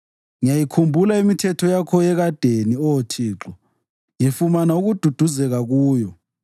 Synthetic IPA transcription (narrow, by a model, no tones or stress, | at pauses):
ŋijajikʰumbʱulaimitʰɛtʰɔjakʰɔjɛɣad̥ʱeniɔtʰiːǁɔ | jefumanauɣud̥ʱud̥ʱuzɛɣaɣuːjɔ